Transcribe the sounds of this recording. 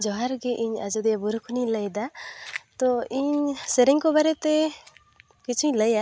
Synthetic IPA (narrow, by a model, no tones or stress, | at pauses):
d͡ʒɔɦaɾɡɛʔiɲa̰d͡ʒɔd̪ijabuɾkʰuniləjd̪at̪ɔiɲsɛɾɛŋkɔbaɾɛt̪ɛ | kit͡ʃʰuɲləja